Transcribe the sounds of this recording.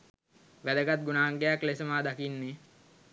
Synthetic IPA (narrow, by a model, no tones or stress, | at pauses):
ʋæd̪əɡat̪̚ɡunaːŋɡejaklesəmaːd̪akinːe